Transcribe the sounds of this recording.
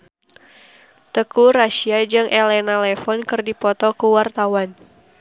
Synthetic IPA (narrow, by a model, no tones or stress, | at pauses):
t̪əkuɾaʃiad͡ʒɨŋʔɛlɛnalɛfɔnkɨrdipɔt̪ɔkəwart̪awan